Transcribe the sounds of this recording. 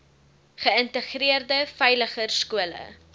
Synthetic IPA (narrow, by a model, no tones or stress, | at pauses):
χəəntəχriərdəfœjləχərskuələ̰